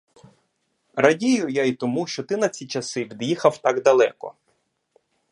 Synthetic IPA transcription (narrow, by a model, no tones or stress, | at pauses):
ɾɐdʲijʊjait̪ɔmuʃt͡ʃɔt̪ɪnɐt͡sʲit͡ʃɐsɪʋʲid̪jixɐwt̪ɑɡd̪ɐlˠɛ̰kɔ̰